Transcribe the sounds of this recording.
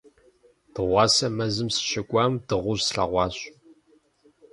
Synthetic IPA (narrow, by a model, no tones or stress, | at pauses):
d̥ɨʁʷɑːsɐmɐzɨmsɨ̥ɕɪkʷʼɑːmdɨʁʷʊʑsɬɐ̰ʁʷɑːɕʼ